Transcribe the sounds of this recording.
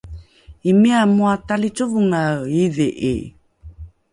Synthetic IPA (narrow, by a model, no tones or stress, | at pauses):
imiamuatalit͡ʃuvuŋaiðeʔḛ